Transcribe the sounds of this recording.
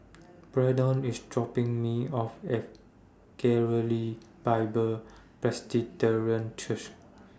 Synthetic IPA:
b̥ɹɛdɔ̃nisdɹɔpĩŋmiɔfe | kɛɹəli | b̥aɪbəl | pɹɛsditəɹiə̃nt͡ʃʰuʃ

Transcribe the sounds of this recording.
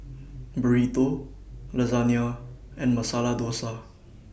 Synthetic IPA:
bəɹit̪oləzanijaɛ̃nməsaːlad̪oːsa

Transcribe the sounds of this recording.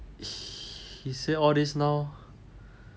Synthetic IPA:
hiseɔdisnaw

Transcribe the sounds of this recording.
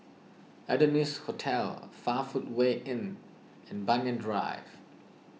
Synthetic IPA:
ɛdənishotʰɛlfafut̚weʔɪ̃n | ɛ̃nbãnjə̃ndɹa̰ɪv̥

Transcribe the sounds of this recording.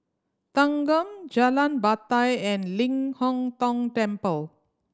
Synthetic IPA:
t̪ãŋɡə̃md͡ʒalãnbat̪ajɛ̃nlĩŋhɔ̃ŋt̪ɔ̃ŋʈɛ̃mpəl

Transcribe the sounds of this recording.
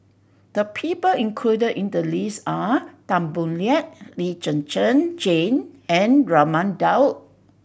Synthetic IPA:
d̥əpʰipəlĩŋkʰludədĩndəlisatãmbũnliɛt̚lid͡ʒə̃nt͡ʃə̃nd͡ʒẽnɛ̃nɹamãndawt̚

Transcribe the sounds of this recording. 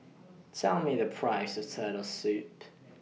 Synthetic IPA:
tʰɛlˠmiðɨpʰɹ̥aɪsəv̥tʰɜːɾəsʉˑʔ

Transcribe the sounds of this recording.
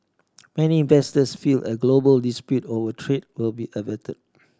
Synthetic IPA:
mɛniĩnvɛstəsfilʔə̰ɡlobəldispjutovətʰɹet̚wilbiʔəvɛtʰəd̚

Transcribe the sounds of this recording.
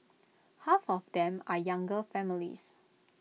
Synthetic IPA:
hafɔfdɛ̃majãŋɡəfɛmilḭs

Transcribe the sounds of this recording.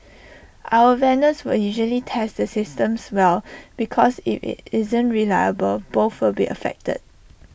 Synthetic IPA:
ʔaʊəvɛ̃ndəswɪljuʒəlitʰɛsdəsɪstə̃mswɛlb̥ikʰɔsḭfɪzə̃nɹilaɪəbəlboθwɪlbiʔə̰fɛ̰k̚tə̰d̥̚

